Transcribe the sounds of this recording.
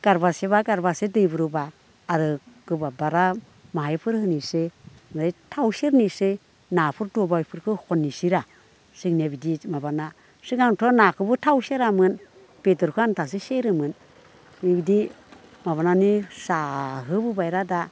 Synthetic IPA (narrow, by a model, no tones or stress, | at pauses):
ɡ̥aɾbaseβaɡaɾbasedɯjbɯɾɯbaː | ɾɯɡɯbabaɾa | maɦajpʰɯɾhɯnise | mɯɾajtʰawseɾnise | napʰɯɾdɔbajpʰɯɾkʰɯhɔnːisiɾa | siknebidimaβana | siɡaŋtʰɔnakʰɯbɯtʰawseɾamɯn | b̥etɔɾkʰɯantʰas̬iseɾɯmɯn | ibidi | maβananisaɦɯbɯbajɾada